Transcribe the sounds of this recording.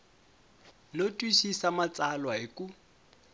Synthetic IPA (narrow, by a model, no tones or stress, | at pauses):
lotʼwiʃisamat͡salwaɪku